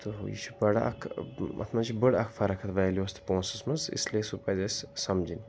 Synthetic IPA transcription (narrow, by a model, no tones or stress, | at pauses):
t̪ojḭːʃʰubɐɽa̰ʔɐ̰kʰɐ̰t̪ʰmɐt͡ʃʰibɨɽɐkʰfʰɐɾɐkʰɐt̪ʰʋɐjlioːst̪ʰpõːnsɐsmɐzḭslesupɐzɐssɐmd͡ʒin